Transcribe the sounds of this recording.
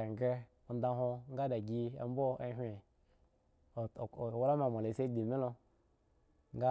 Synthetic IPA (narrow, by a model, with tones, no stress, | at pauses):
ŋ˨ɡe˦ | o˨n˦da˧ɦo˧ŋ˦ɡa˦da˨ɡʲi˧a̰˦m˦bo˦e˦ɦʷe˨ | wla˦ma˨mo˨le˨se˦di˨me˦lo˧ | ŋ˦ɡa˦